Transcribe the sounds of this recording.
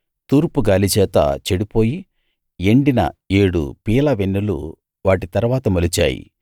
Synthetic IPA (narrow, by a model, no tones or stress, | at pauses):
t̪uːɾpuɡaːlit͡ʃɛːt̪ɐ̰t͡ʃeɽipo̞ːji | e̞ɳɖinɐ̰e̞ːɽṵpiːlɐʋenːulṵ | ʋaːʈit̪ɐɾʋaːt̪ɐmɐlit͡ʃa̰ːjḭ